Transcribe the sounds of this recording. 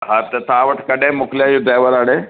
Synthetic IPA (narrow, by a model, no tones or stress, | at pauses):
ɦaɾt̪ɐt̪ʰãːʋɐʈʰkɐɗẽmʊklijãjũɖɾaːjʋəɾaːɽ̃ẽː